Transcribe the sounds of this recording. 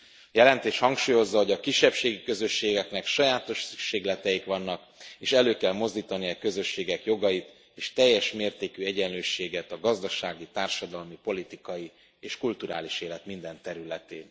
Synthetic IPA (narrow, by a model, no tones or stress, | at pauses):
jɛlɛnt̪eːʃhɒŋkʃuːjo̞zːɒɦo̞ɟɒkiʃːɛpʃeːɡikø̞zø̞ʃːeːɡɛknɛkʃɒjaːt̪o̞ʃsykʃeːɡlɛt̪ɛjikʋɒnːɒk | eːʃɛløːkɛlmo̞zd̪iːt̪ɒniɒkø̞zø̞ʃːeːɡɛkjo̞ɡɒjit̪ | eːʃt̪ɛjːɛʃmeːrt̪eːkyɛɟɛnløːʃeːɡɛt̪ɒɡɒzd̪ɒʃaːɡit̪aːrʃɒd̪ɒlmipo̞lit̪ikɒji | eːʃkult̪uɾa̰ːliʃeːlɛt̪mind̪ɛnt̪ɛɾylɛt̪eːn